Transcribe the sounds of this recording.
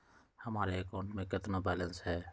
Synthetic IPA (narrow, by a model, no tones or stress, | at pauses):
həmaːɾekoːɳʈmẽːkət̪nobɛːlənsɦɛː